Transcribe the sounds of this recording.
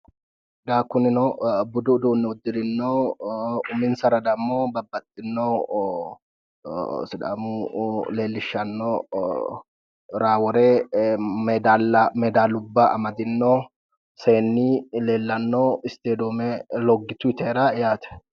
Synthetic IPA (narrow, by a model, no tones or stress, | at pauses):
ɡ̪aːkːʊnɪnɔbʊd̪ʊd̪uːnːɛʊd̪ːɪɾɪnːoː | ʊmɪnsɐɾɐd̪ɐmːoːbɐbːɐt̪ʼːɪnːoː | sɪd̪a̰mule̞ːlːɪʃːɐnːo | ɾaːwɔɾeːmɛd̪alːɐmɛd̪aːlʊbːɐɐ̰mɐd̪ɪnːoː | seːnːileːlːɐnːoːɪst̪eːd̪oːmɛlɔɡːɪt̪ʊɪt̪ɛːɾajaːt̪ɛ̥